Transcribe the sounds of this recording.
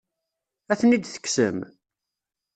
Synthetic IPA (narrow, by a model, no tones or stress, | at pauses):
æθənid̪θə̥kːsə̰m